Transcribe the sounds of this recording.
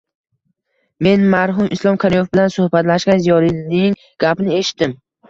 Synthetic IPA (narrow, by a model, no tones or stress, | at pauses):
me̞nmaɾɦʊmɪslˠɒmkʰʲaɾimofbɪlansʊhbat̪laʃɡʲanzijɒɾinɪŋ | ɡ̥ʲapnɪe̞ʃɪ̥t̪ːɪm